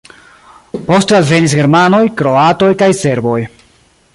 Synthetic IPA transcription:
po̞stalve̞nisɡe̞ɾmano̞jkɾo̞ato̞jkajse̞ɾbo̞j

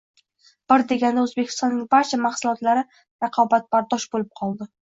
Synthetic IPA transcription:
b̥ɪɾd̪e̞ɡʲand̪aɵzbekʲɪ̥st̪ɒnːɪŋbaɾt͡ʃʰamaχsʊlˠɒt̪laɾɪ | ɾɑqʰɒbat̪̚b̥aɾd̪ɒʃbolɪp̚qʰɒlˠd̪ɪ

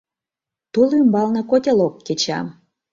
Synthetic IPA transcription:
t̪ulymbɑlnɤ̆kot̪ʲelokːet͡ɕɑ̰m

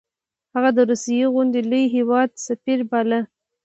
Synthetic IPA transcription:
haɣad̪əɾusijeɣʊnd̪eləjɦewɑd̪safiɾbalə

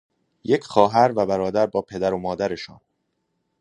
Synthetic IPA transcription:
je̞cʰxɒːɦæɾvæbæɾɒːd̪æɾbɒːpʰe̞d̪æɾomɒːd̪æɾe̞ʃɒ̰ːn

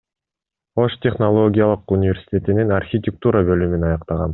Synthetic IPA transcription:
o̞ʃt̪ʲeχnolˠo̞ɡʲijalˠɯqunʲɪvʲe̞rsʲi̥t̪ʲe̞t̪ininarxʲit̪ʲɪk̚t̪uɾɑbø̞lymynɑjɑqt̪ɑʁɑn

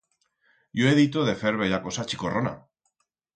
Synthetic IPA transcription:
joeðit̪oðefeɾβeʎako̞sat͡ʃiko̞rona̰

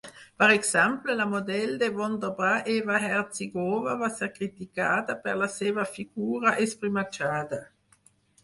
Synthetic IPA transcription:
paɾeksamplelamod̪ɛld̪evond̪obɾaʔeːvaɦɛrt̪siɡoːvavaseɾkɾit̪ikaːt̪apeʁlaseːvafiɡuːɾaʔespɾimat͡ʃaːd̪a

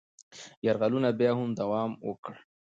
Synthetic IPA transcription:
jaɾɣalunabjɑhʊmd̪awɑmwə̰kɽ

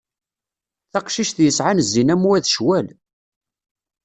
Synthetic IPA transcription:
θæqʃiʃθjəsʕanəzːinæmuæðʃwæl

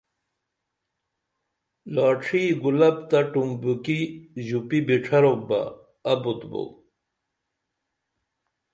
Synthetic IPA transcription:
laːʈ͡ʂʰiːɡulɐpt̪aʈumbukiʑupibiʈ͡ʂʰɐɾok̚ba̰ː | but̪bo̰w

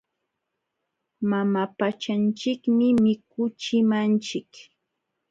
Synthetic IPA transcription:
mamapat͡ʃant͡ʃɪkmɪmɪkʊt͡ʃɪmant͡ʃɪk

